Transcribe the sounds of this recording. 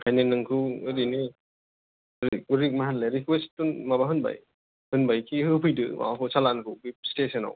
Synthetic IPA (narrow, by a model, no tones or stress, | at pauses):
kʰajnenɯŋkʰɯɯɾini | ɾik̚uɾik̚maɦanleɾikʰestunmabaɦɯnba̰j | hɯnbajkʰihɯpʰɯjdɯwa̰ɦusalankʰɯbip̚stesɯna̰w